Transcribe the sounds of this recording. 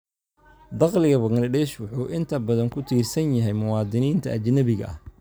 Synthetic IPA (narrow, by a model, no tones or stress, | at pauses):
d̪ɑqlɪɣɐbɐɣlɐdɛːʃwʊħuːʔɪnt̪ʰɐbɐðɐŋkʰʊt̪ʰiːrsɐnjɐɦɛjmʊwɑːd̪ɪniːnt̪ʰɐ̰ʔɐt͡ʃnɐβɪɣɐ̰ʔɐ̰h